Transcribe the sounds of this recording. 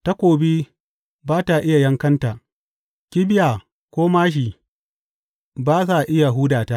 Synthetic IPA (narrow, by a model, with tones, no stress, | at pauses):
ta˦kʷoː˨biː˦ | baː˦ta˨ʔɪ˦ja˨jɐ˦ŋkɐ˦nta˨ | kʲɪ˦bɪ˦jaː˨ | kʷoː˦maː˦ʃ̬i˨ | baː˦s̬a˨ʔɪ˦ja˨ɦuː˦daː˨ta˦